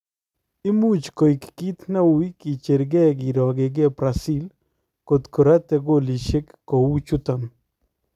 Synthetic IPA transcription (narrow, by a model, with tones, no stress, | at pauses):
ɪ˦mu˦t͡ʃko˨i˨kki˦t̪na˦wi˦ki˨t͡ʃe˨ɾɡɛ˦ɡi˨ɾɔ˨ɡɪ˨ɡe˦pɾasi˦l | ko˨t̪ko˨ɾa˦t̪ɛ˨ɡo˦li˨ʃe˦kːo˨wu˦t͡ʃu˦t̪a˨n